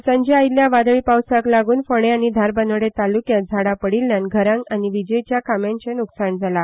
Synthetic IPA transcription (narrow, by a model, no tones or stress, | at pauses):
sãɲd͡ʑeajiljaʋad̪ɭipawsaklaɡuːnfəɽ̃eañid̪ʱaɾbənʋɽet̪alukjad͡zʱaɽapəɽilːjãnɡʱəɾãŋkaniʋid͡ʑəjt͡ɕjakamjãɲt͡ɕenuksaɳd͡zʱala